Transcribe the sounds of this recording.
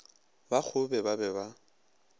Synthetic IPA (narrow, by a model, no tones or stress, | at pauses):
bak͡xʰʊbɛbabɛba